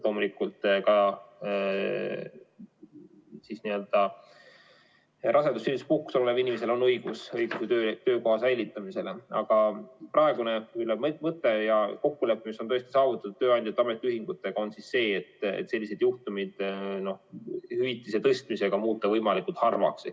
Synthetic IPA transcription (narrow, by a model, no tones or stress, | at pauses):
lo̞ːmulikːult̪ˑkɑ | sisniø̞ld̪̥ɑ | rʔɑsend̪usːelːispuhku̥sollevinimes̬e̞lo̞nːɤjɡ̥usɤjɡ̥uset̪øːt̪øːko̞ɦɑsæjlʲit̪ːˑɑmise̞leɑ̰ɡ̥ɑprʔɑe̞ɡ̥uneylemmɤt̪ːˑejɑko̞kːule̞pːˑmisot̪oest̪isɑːvut̪ːˑɑt̪u̥t̪ːøːɑjnd̪jɑt̪ːɑme̞t̪ːˑiyɦiŋɡ̥ut̪ːˑe̞ɡ̥ɑonsisːe̞ːet̪ːḛt̪se̞lʲːise̞d̪̥juht̪umid̪̥no̞hhyit̪ːˑiset̪ɤst̪mise̞ɡ̥ɑmuːt̪ːˑɑvɤjmɑlikˑult̪hɑrvɑ̰ks